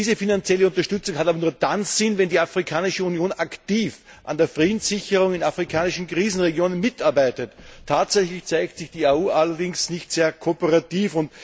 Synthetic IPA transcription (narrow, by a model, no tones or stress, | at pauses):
iːzəfinant͡sjɛləʊntɐʃtʏt͡sʊŋɦataːbɐnuːɐd̥anz̥ɪnvɛndiːafʁikʰaːnɪʃəunjoːnaktiːf | ʔandeːɐfʁiːdn̩z̥ɪçəʁʊŋɪnafʁɪkʰaːnɪʃn̩kʁ̥iːzn̩ʁeɡjoːnənmɪtaɐbaɪtətʰːaːtz̥ɛçlɪçt͡saɪktsɪçd̥iːauːʔalɐdɪŋsnɪçtz̥eːɐkʰopəʁatiːfʊnt